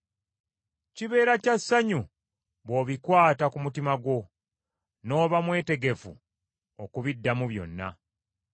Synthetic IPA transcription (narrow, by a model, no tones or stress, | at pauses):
ciβe̞ːɾacasːaɲu | βo̞ːβikwaːtakumutimaɡwo̞ | no̞ːβamwe̞ːte̞ɡe̞fu | okuβidːamuβjo̞̰nːa̰